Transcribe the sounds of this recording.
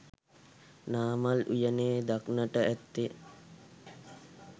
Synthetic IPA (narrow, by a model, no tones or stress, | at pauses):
naːmalujəneːd̪aknəʈəæt̪ːe